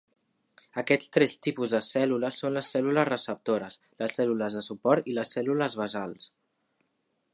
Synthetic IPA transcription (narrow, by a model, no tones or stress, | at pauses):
əkɛst̪ɾɛst̪ipuzðəsɛluləsːonləsːɛluləzrəsəp̚t̪oɾəs | ləsːɛluləzðəsupɔɾt̪iləsːɛluləzβəzalˠs